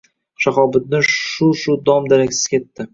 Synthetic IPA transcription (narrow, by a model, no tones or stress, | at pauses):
ʃaχɒbɪt̪̚nɪʊʃʊd̪ɒmd̪aɾakʲsɪ̥z̥kʲʰe̞t̪ːɪ